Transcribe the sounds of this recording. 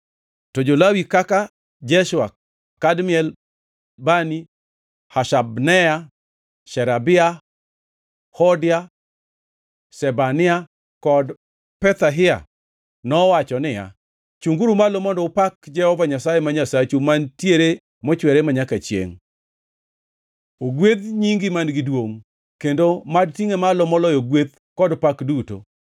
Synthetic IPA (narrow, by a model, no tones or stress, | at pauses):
tɔd͡ʒolawikaka | d͡ʒɛʃwa | kadmɪɛl | bani | haʃabnɛja | ʃɛɾabɪa | hɔdɪa | sɛbanɪa | kɔd | pɛt̪aɦɪa̰ | nɔwat͡ʃɔnɪja̰ | t͡ʃuŋɡuɾumalomɔndɔpakd͡ʒɛhɔvaɲasajemaɲasat͡ʃumantjeɾe | mɔt͡ʃwɛɾemaɲakat͡ʃjḛŋ | oɡwet̪ɲiŋɡɪmanɡɪdwoŋ | kendomadtiŋemalomɔlɔjoɡwed̪ | kɔdpakduto̰